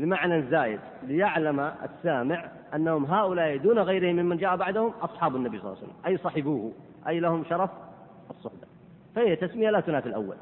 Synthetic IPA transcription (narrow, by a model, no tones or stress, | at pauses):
lɪmaʕnazːaːjɪd̪lɪjaʕlamaa̰sːaːmɪʕ | ʔanːahʊmɦaːʔʊlaːʔid̪uːnaɣajɾɪhɪmːɪmːand͡ʒaːʔabaʕd̪ahʊmʔɑsˤħɑːbanːabijsˤɑl̰ːsa̰lːa̰mʔajsˤɑːħɪbuːh | ʔajːlahʊmʃɑɾˤɑf | ʔɑsˤːʊħbḁ | fahijːat̪asmɪjalat̪ʊnaːt̪ɪlʔa̰wːa̰l